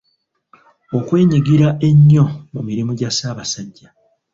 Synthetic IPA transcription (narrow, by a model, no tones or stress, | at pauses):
o̞kwe̞ːɲiɡiɾaʔe̞ɲːo̞mumiɾimuɟasaːβasaɟːa